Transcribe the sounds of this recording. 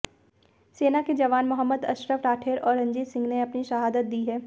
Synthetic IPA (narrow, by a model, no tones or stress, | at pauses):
seːnaked͡ʒɐʋaːnmʊɦəmːəd̪ɐ̰ʃɾəʋɾaːʈʰeːɾɔːɾɐ̃ɲd͡ʒiːt̪sɪ̃ŋɡneɐpniʃɐɦaːd̪ət̪̚d̪iːɦɛː